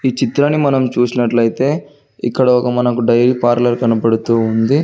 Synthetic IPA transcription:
iːt͡ʃit̪ɾɐnːimɐnɐmt͡ʃuːsinɐʈlɐjit̪e̞ː | ḭkːɐɽɐɔkɐmɐnɐkuɖɐjɾipaːɾlɐɾkɐnɐpɐɽut̪uːund̪i

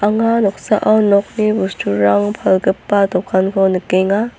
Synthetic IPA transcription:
ʔaŋanɔk̚sa̰ʔawnɔk̚nibustuɾaŋpʰalɡɯpːat̪ɔkʰankʰɔnɯkːeŋa

